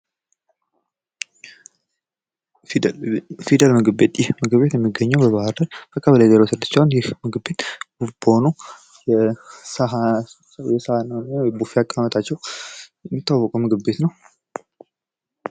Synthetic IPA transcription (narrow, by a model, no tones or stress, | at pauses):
fid̪əlmɨɡɨbet̪ʼjɪhmɨɡɨbe̞t̪jɛmːiɡːəɲːɛwbəβahɨɾd̪əɾb̥əkʼəβələjzəɾewsɨd̪ːɨt͡ʃɪanjɪhmɨɡɨbe̞t̪b̥ufbəhonu | jɛs | jɛshanəwnjɛbufiakʼːamət̪ʰat͡ʃːɛwjɛmːit̪ːawːɔkʼumɨɡɨβbe̞t̪nəw